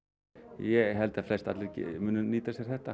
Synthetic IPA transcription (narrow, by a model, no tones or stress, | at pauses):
jɛɣɦɛlt̪ɛflɛst̪at̪lɪcmʏnːʏniːt̪asjɛɾ̥θɛht̪a